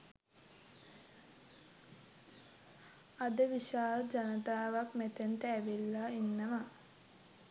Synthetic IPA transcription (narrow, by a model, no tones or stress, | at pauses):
ad̪əʋiʃaːləd͡ʒanət̪aːʋakmet̪ent̪əːʋilːainːəma